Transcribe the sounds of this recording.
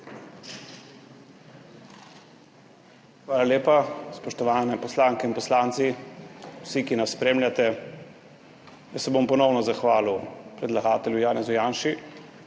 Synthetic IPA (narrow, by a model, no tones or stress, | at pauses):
xʋaːlaleːpaspɔʃt̪ɔʋaːnɛpɔslaːŋkɛinpɔslaːnt̪si | wsikinasːpɾeːmlʲjat̪ɛ | jasɛbompɔnɔwnɔzaxʋaːlupɾɛd̪laɡaːt̪ɛljujaːnɛzujaːnʃi